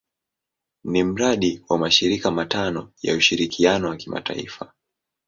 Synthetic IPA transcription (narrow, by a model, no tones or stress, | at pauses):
nim̩ɾaɗiwamaʃiɾikamatanɔja̰uʃiɾikʰianɔwakima̰ta̰ḭfa